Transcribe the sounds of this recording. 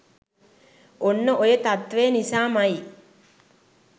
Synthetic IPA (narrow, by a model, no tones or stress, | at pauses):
onːəʔojət̪at̪ʋeːnisaːmaji